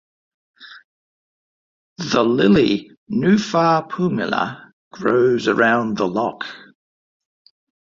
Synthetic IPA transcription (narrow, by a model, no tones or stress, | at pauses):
ðəlɪli | nʉfɑːpʰʉmɪlə̰ | ɡ̥ɹəʊzəɹãʊ̃nðəlɒk